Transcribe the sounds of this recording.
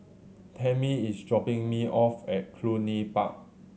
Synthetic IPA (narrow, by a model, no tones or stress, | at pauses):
tʰɛ̃miisdɹɔpɪ̃ŋmiʔɔfɛt̚kʰlunipa̰k̚